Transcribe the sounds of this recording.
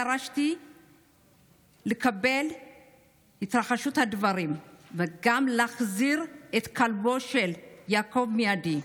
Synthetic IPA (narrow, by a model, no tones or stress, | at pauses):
aɾaʃt̪i | lekabel | hit̪ʁaχaʃut̪had̪vaɾimveɡamlaχziɾet̪kʰalbo̞ʃeljaːko̞vmejad̪i